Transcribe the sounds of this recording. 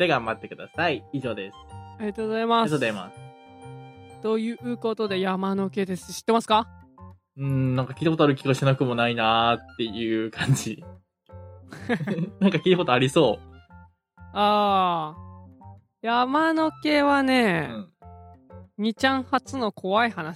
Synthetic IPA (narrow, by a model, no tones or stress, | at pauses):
d̪̥eɡãmbat̪ːe̞kɯ̟d̪asaiiʑo̞ːd̪esɨ̥aɾʲiat̪oːzaimaozaima̰s | t̪o̞jɯ̟ɯ̟ko̞t̪o̞d̪e̞jamano̞ke̞ːd̪e̞sɨ̥ɕi̥t̪ːemasɨ̥ka | ɯ̟̃ɴnãŋkakʲiːt̪akot̪oaɾɯ̟kʲiɡaɕinakɯ̟mo̞nainat̪ːe̞jɯkʰãɲ̟d͡ʑi | nãŋkakʲiːt̪ako̞t̪oaɾʲiso̞ː | aː | jamano̞ke̞ːβanẽ̞ | ɲ̟it͡ɕãɰ̃hat͡sɨno̞kʰo̞βaihanaɕi̥